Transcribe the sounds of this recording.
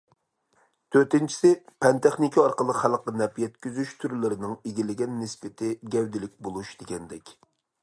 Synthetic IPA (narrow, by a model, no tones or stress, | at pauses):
t̪ʰøɾt̪ɪnt͡ʃʰi̥sɪpʰɛnt̪ʰeχnɪkʲʰiɑɾqəlˠəqχælˠqːɑnɛpjɛt̪̚kʲyzyʃt̪ʰyɾlɪɾɪnɪŋeɡʲilɪɡʲɛnːɪsbɪt̪ʰɪɡʲɛwd̪ɪlɪk̚ʲbolˠuʃd̪̥eɡʲɛnd̪ɛkʲ